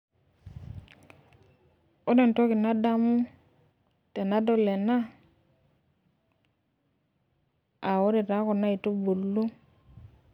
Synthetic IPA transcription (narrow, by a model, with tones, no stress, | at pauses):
o˦de˨nto˦ki˨na˦da˦mu˦ | te˨na˦do˦le˨na˦ | a˨wo˦de˨ta˨˦ko˨na˦i˨to˦bu˨lːu˦